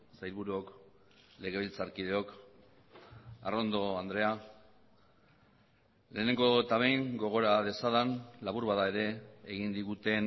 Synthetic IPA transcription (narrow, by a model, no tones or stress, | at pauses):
sajlβuɾuok | le̞ɣ̞e̞βilt͡saɾkið̞eo̞k | aro̞nd̪o̞and̪ɾe̞a | le̞ːne̞ŋɡo̞t̪aβejŋɡo̞ɣ̞o̞ɾað̞e̞saðanlaβuɾβaðae̞ɾe̞ːɣind̪iɣut̪e̞n